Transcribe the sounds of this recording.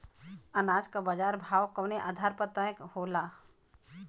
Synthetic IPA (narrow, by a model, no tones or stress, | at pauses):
ɐnaːd͡ʒkabəd͡ʒaːɾbʱaːwkɐwneʔad̪ʱaːɾpət̪ə̃jəkhoːla